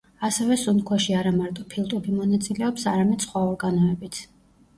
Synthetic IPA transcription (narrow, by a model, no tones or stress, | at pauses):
asɛvɛsunkʰwaʃiaɾamaɾt̪ʼɔpʰilˠt̪ʼubimɔnat̪sʼilɛɔpsaɾamɛd̪̥sχwaɔɾɡanɔɛbit̪sʰ